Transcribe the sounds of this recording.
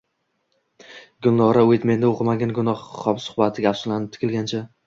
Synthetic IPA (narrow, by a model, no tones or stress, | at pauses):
ɡʊlˠnɒɾaojt̪me̞nd̪ɪoqmaɡʲanɡʊnɒχχɒpsʊ̥χbat̪ʰɪɡʲafsʊlanɪp̚t̪ʰɪ̥kʰʲɪlɡʲant͡ʃʰa